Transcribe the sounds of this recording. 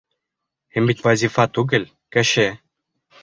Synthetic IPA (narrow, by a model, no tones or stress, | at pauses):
himbit̪wazʲifat̪uɡɘ̆l | kɘ̆ʃɘ